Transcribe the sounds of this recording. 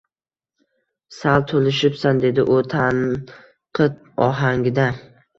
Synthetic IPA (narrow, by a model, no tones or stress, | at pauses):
salˠt̪ʰolɪʃɪpsand̪e̞d̪ɪʔʊt̪ʰan | qʰɨt̪̚ | ɒɦaŋʲɪd̪a